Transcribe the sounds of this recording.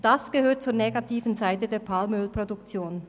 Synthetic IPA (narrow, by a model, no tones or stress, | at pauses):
d̥asɡ̥əhøːt̚t͡suːɐneɡatʰiːvən̩zaɪtədeːɐpʰalmøːlpʁ̥oduk̚t͡sjoːn